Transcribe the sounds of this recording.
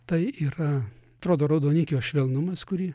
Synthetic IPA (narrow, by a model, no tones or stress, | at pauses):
t̪ɐɪiːɾɐt̪ɾoːd̪oːɾɐʊd̪oːnʲikʲoːʃʲʋʲɛlˠnʊmɐskʊɾʲiː